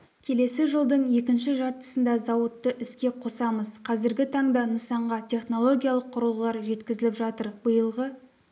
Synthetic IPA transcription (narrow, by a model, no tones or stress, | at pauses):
kʲʰe̞le̞sɪʒəlˠd̪əɴje̞kʲɪnʃɪʒɑɾt̪ə̥sənd̪ɑzɑwət̪ːəʔʏskʲe̞qʰo̞sɑməzqʰɑzɪɾɡʲɪt̪ʰɑɴd̪ɑnəsɑɴʁɑt̪ʲʰe̞χno̞lˠo̞ɡʲijalˠəqʰːʊɾəlˠʁəlˠɑɾʒe̞t̪kʲɪzɪlɪpʒɑt̪əɾbəjəlˠʁə